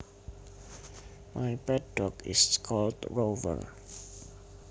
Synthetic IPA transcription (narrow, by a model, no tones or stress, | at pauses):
mʔajpɛt̚dɔkɪ̰skʰɔldɹovə̰ɹ